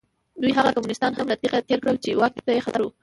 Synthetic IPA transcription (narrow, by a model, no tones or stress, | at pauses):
d̪ujɦaɣakamunɪst̪ɑnɦamlat̪iqat̪eɾkɽəlt͡ʃewɑk̚t̪ajexat̪aɾwu